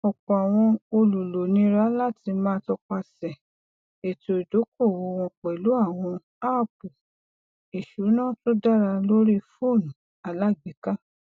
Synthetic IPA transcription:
ɔ˨k͡pɔ˨a˨w̃ɔ̃˧o˧lu˨lo˨nĩ˨˦ɾa˦la˦˨ti˧mãː˦tɔ˧k͡pa˧sɛ˨ | e˨to˨i˨do˨˦ko˦˨wo˧w̃ɔ̃˧k͡pɛ˨lu˨˦a˦˨w̃ɔ̃˧ | a˦˨p̚u˨ | i˨ʃu˨˦nãː˦˨to˦da˦ɾa˧lo˦ɾi˦fo˦˨nũ˨ | a˨la˦˨ɡ͡bi˨˦ka˦

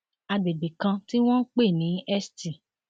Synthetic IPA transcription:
a˧be˨be˨kã˧ti˦w̃ɔ̃˦n̩˦k͡pe˦˨nĩ˨˦ɛ˦sti˨

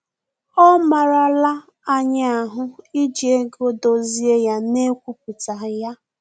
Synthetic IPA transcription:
ɔ˦ma˨ɾa˦la˦ | a˦ɲa˦a˨ɦʊ˦i˦d͡ʒi˨e˦ɡo˦do˨zi˦e˦ja˦ne˦kʷu˦p̚u˨ta˨ja˦

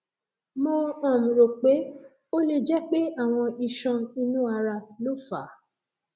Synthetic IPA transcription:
mo˧ɔ̃˦˨m̩̃˨ɾo˨k͡pe˨˦ | o˦le˧d͡ʒɛ˦k͡pe˦a˦˨w̃ɔ̃˧ʔi˧ʃɔ̃˧i˧nũ˦a˧ɾa˧lo˦fa˨˦

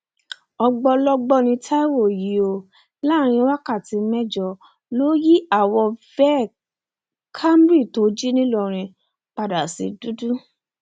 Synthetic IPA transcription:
ɔ˧ɡ͡bɔ˧lɔ˦ɡ͡bɔ˦˨nĩ˧tʰa˦i˦wo˦˨ji˨˦o˨ | la˦˨ɾ̃ĩ˧˦wa˦ka˦˨ti˧mɛ˦d͡ʒɔ˧˨ | lo˦ji˦a˦˨wɔ˧fɛ˦˨ | kʰa˦m˦bɾi˦˨to˨˦d͡ʒi˦nĩ˦lɔ˦˨ɾ̃ĩ˧ | k͡pa˧da˨si˧du˦du˦

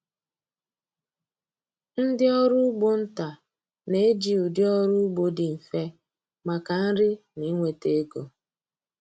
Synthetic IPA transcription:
n̩˦dɪ˦ɔ˦ɾʊ˦ɡ͡bo˦n̩˦ta˨ | ne˨e˦d͡ʒi˨u˨djɔ˦ɾu˦ɡ͡bo˨dɪ˨m̩˨fe˦ | ma˨ka˨n̩˦ɾɪ˦ni˦ŋʷe˨te˦ɡo˨

